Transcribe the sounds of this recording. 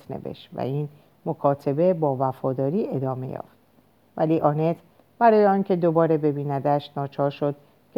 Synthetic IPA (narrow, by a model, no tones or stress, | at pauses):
t̪ʰne̞̰vḛʃt̪væ̰iːn | mo̞kʰɒːt̪ʰe̞be̞bɒːvæfɒːd̪ɒːɾiːʔe̞d̪ɒːme̞̰jɒ̰ːft̪ | væliːʔɒne̞t̪ʰ | b̥æɾɒːjeɒːncʰe̞d̪o̞bɒːɾe̞be̞biːnæd̪æʃt̪nɒːt͡ʃʰɒːɾʃo̞d̪̥ | cʰ